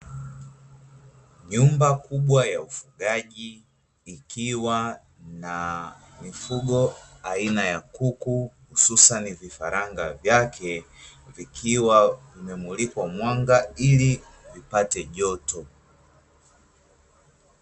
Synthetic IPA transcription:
ɲumbakuɓwajaufuɠaʄiː | kʰiwa | na | mifuɡɔainajakukuhususanivifaɾaŋɡavjakʰɛ | vikʰiwavimɛmulikwamwaŋɡaili | vipatɛʄɔtɔ

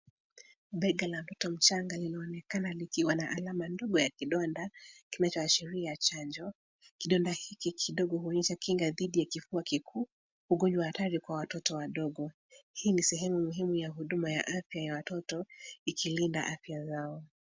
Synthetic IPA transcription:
ɓɛɡalawtɔtɔm̩t͡ʃaŋɡalinaɔnɛkanalikiwanaʔalamandɔɡɔjakiɗɔndakinat͡ʃɔaʃiɾijat͡ʃaɲd͡ʒɔ | kiɗɔndahikikʰiɗɔɠɔhuɔɲɛʃakiŋɡaðiɗijakifuakikʰuː | huɡɔɲd͡ʒwahataɾikwawatɔtɔwaɗɔɠɔ | hiːnisɛɦɛmumuɦimujaɦuɗumaja̰ʔafjajawatɔtɔikʰilindaʔafjazaɔ

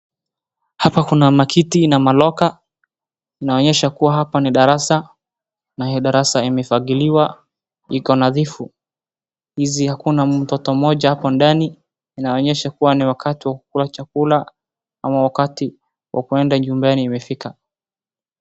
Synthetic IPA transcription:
hapakunamakʰitinamalɔka | inaɔɲɛʃakuwaɦapaniɗaɾasa | nahiɔɗaɾasaimɛfaɣiliwa | ikɔnaðifu | hizihakunam̩tɔtɔmɔʄahapɔndaniː | naɔɲɛʃakuwaniwakatiwaku̥kulat͡ʃakula | amawakati | wʔa̰kuɛndad͡ʒumbaniːmɛfika

